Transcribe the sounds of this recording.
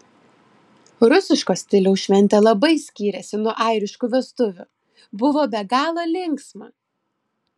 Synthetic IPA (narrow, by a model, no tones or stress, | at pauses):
ɾʊsʲɪʃkoːsʲt̪ʲɪlʲoʊʃʲʋʲɛnʲt̪ʲelˠɐbɐɪsʲkʲiːɾʲɛsʲɪnuɔʔɐɪɾʲɪʃkuːʋʲɛst̪ʊʋʲʊ̰ | bʊʋoːbʲɛɡɑːlˠoːlʲɪŋksmɑ̰ː